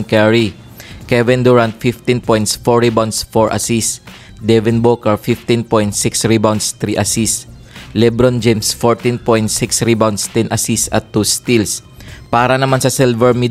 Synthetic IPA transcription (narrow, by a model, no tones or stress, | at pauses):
nkɛɹi | kɛvɛnd̪uɹant̪̚fift̪ĩnpojnt̪sfɔɹibawnsfɔɹʔɐ̰sis | d̪ɛvɪnbokɛɹfift̪inpojnt̪sɪksɹibawnst̪ɾiʔɐsis | lɛbɾond͡ʒɛmsfoɹt̪inpojnt̪siksɾibawnst̪ɛnʔɐsisɐ̰t̪ːust̪ilspaːɾɐnɐmansɐsɛlvɛɹmi